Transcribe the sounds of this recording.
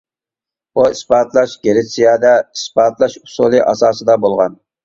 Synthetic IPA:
buisbɑːt̪lˠɑʃɡʲeɾɪsijɑːd̪ɛisbɑːt̪ʰlˠɑʃu̥sulˠɨʔɑsɑːsɨd̪ɑbolˠʁɑn

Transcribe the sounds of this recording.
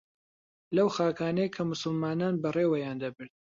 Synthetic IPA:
lɐwxaːkaːnɐjkʰɐmʊsɨlmaːnaːnbɐreːwɐjaːnd̪ɐbɨɾd̪̚

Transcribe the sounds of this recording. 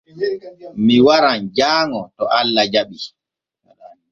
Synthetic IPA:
miwaɾand͡ʒaːŋɔtɔʔalːad͡ʒaɓi

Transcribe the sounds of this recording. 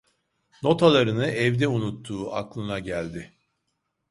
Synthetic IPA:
no̞t̪ʰalˠaɾɯnɯʔɛvd̪ɛunut̪ʰːuːʔa̰klˠɯnaɟælʲd̪ɪ

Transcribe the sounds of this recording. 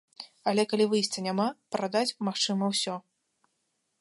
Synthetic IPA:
alʲɛkalʲivɨjsʲt͡sʲɐnʲamapɾad̪at͡sʲmaxt͡ʂɨmɐwsʲɔ

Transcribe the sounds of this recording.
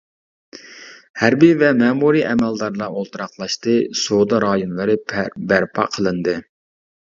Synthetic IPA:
hæɾbivɛmɛmuɾiʔɛmɛld̪ɑɾlˠɑolˠt̪ɨɾɑqlˠɑʃt̪ɨsod̪ɑɾɑːjunlˠɨɾɨbæɾpʰɑ̰qʰəlˠɨnd̪ɨ

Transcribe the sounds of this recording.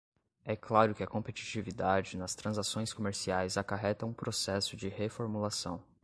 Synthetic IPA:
ɛklaɾʊkɪɐkõpet͡ʃi̥t͡ʃivid̪ad͡ʒɪnɐst̪ɾɐ̃zasõj̃skomeɾsiajzakaɦɛt̪ɐ̃ũpɾosɛsʊd͡ʒɪhefoɾmulasɐ̃w̃

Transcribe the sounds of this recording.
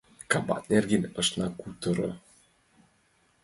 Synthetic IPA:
kɑbɑ̰t̪nerɡinʲɤ̆ʃnɑkut̪ɤ̆ɾɤ̰

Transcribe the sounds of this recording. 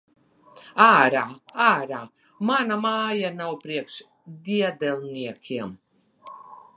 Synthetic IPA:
aːɾaːaːɾaː | manamaːjanawpɾiɛkʃ | d̪ʲiɛd̪ɛlˠniɛkʰʲiɛm

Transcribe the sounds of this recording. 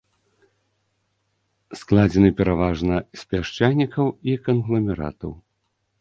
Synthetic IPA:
sklˠad͡zʲɛnɨpʲɛɾavaʐnɐsʲpʲaʂt͡ʂajnʲikɐwikɐnɣlˠɐmʲɛɾa̰t̪ɐw

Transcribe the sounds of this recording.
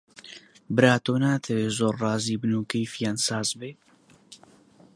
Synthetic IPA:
bɨɾaːt̪oːnaːt̪ʰɛweːzoːɾːɑːziːbɨnuːkejfjaːnsaːzbeː

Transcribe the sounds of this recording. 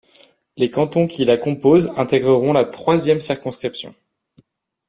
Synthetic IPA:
lekɑ̃t̪ɔ̃kʲʰilakɔ̃pozɛ̃t̪ɛɡʁəʁɔ̃lat̪χwazjɛmsiʁkɔ̃skχipsjɔ̰̃

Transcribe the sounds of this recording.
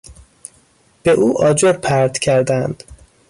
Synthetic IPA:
b̥eʔuːʔɒːd͡ʒoɾpʰæɾd̪̥cʰæɾd̪ænd̪̥

